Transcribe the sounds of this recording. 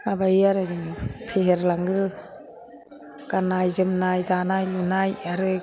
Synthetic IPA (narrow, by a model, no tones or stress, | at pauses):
abajaɾazɯŋɯpʰeɦeɾlaŋɡɯ | kanajzɯmnajdanajlunajaɾɯ